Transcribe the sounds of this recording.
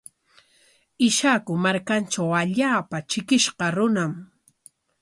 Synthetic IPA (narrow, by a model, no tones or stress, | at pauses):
ɪʃakʊmaɾkant͡ʃawaʎaːpat͡ʃɪkɪʃqɑɾʊnam